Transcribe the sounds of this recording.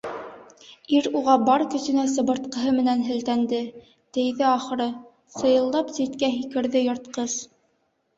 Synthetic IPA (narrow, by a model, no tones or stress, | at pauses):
iɾuʁɑbɑɾkɵ̆sɵ̆næs̬ɤ̆bɤ̆ɾt̪̚qɤ̆ɦɤmɘ̆nænɦɘ̆lt̪ænd̪ɘ | t̪ɘ̆jðɘɑχɤ̆ɾɤ | sɤ̆jɤ̆lˠd̪ɑpsit̪kæɦikɘ̆ɾðɘjŏɾt̪qɤs